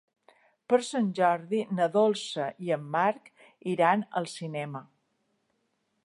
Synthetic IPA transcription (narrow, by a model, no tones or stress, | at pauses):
pəɾsənʲʒɔɾðinəðolˠsəʔiəmːaɾk | iɾanə̰lˠsinɛmə